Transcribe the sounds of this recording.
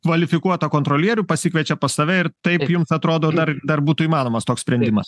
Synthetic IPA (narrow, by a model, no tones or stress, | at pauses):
kʋɐlʲɪfʲɪkuɔt̪ɐkoːnt̪ɾoːlʲiɛɾʲuːpɐsʲɪkʋʲɛt͡ʃʲɛpɐsɐʋʲɛɪɾt̪ɐɪpjʊmsɐt̪ɾoːd̪oːd̪ɐɾd̪ɐrbuːt̪ʊimɑːnoːmɐst̪oːksʲpʲɾʲɛnʲd̪ʲɪmɐs